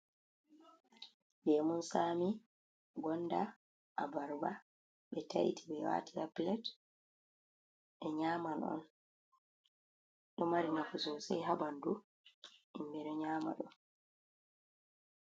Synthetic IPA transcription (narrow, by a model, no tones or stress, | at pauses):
bɛmunsaːmi | ɡɔnːda | ʔabaɾba | ɓɛta̰jḭtʰibɛwa̰ːtiaplɛt | ɛɲaːmanɔ̰n | ɗɔmaɾinakusɔsajɦabandu | imbɛɗɔɲaːma̰ɗɔ